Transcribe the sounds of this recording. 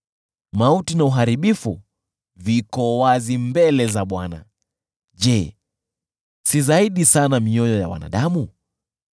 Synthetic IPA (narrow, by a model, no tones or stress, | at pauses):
mautinauɦaɾiɓifṵ | vikɔwazimbɛlɛzaɓwana̰ | ʄɛ | sizaiɗisanamiɔjɔja̰wa̰na̰ɗamu